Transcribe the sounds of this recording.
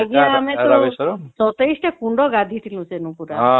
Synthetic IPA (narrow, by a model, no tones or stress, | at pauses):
ɡiaamet̪ɔesɔt̪ejsʈekuɳɖɔɡad̪ʱit̪ʰilũsenũpuɾa